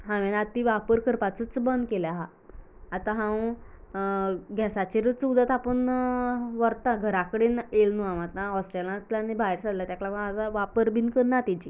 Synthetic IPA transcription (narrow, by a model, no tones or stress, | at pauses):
ɦãʋenat̪iʋapəɾkəɾpat͡sət͡sbənd̪keljaɦaː | t̪aɦãw | ɡʱɛsat͡ɕeɾət͡sud̪ət̪apəɳ | ʋəɾt̪ãɡʱəɾakəɽenelnuamat̪ãɔsʈɾelat̪lanebʱaiɾsad̪lat̪jakɭakə̃at̪aʋapəɾbʱinkəɾnat̪it͡ɕi